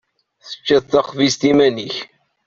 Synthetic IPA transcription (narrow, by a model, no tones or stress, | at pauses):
θə̥t͡ʃːæðθɑχvist̪imæniç